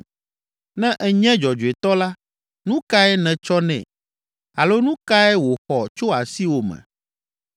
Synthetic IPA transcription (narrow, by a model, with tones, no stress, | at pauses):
nɛ̃˦ʔɛ˨ɲɛ̃˦d͡ʒɔ˨d͡ʒu˨e˨t̪ɔ˦la˦ | nũ˦ka˦ɛ˦nɛ̃˨t͡ʃɔ˦nɛ̰̃˨ | a˨lo˦nũ˦ka˦ɛ˦wo˨xɔ˨t͡ʃo˦a˨si˦wo˨mɛ̰̃˨